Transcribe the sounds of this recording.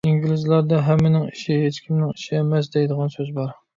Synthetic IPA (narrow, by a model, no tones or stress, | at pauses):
iŋɡʲilɪzlˠɑɾd̪ɑɦɛmːɪnɪŋiʃiɦet͡ʃkʲʰimnɪŋiʃiemɛsd̪ejd̪əʁɑnsøzbɑɾ